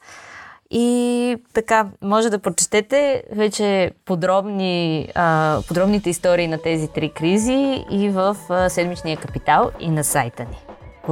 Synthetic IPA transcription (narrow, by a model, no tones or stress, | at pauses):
it̪ɐkamɔʒɛd̪ɐpɾot͡ʃɛ̥t̪ɛt̪ɛvɛt͡ʃɛpod̪ɾɔbni | pod̪ɾɔbnit̪ɛist̪ɔɾiːnɐt̪ɛzit̪ɾikɾiziivəfsɛd̪mit͡ʃnijəkɐpit̪alˠḭnɐsajt̪əni